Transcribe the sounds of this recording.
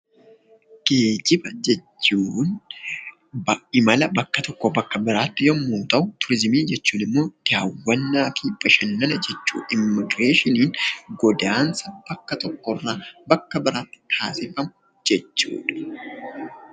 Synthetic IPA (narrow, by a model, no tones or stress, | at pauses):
ɡ̥e̞ːd͡ʒɪbɐd͡ʒɛt͡ʃːuːn | bɐʔɪmɐlɐbɐkːɐt̪ʰɔkːɔbɐkːɐbɪɾaːt̪ːɪjɔmːuːt̪ɐʔʊt̪ʊɾɪzɪmiːd͡ʒɛt͡ʃːuːnɪmːo̞ːd̪̥ɪaːwːɐnːaːfiːb̥ɐʃɐnːɐnɐd͡ʒɛt͡ʃːṵːʔɪmːɪɡɾe̞ːʃɪniːnɡɔd̪aːnsɐb̥ɐkːɐt̪ɔkːɔrːaːbɐkːɐbɪɾaːt̪ːɪ̥t̪ʰaːsɪfɐmʊ | d͡ʒɛt͡ʃːṵːᶑɐ̥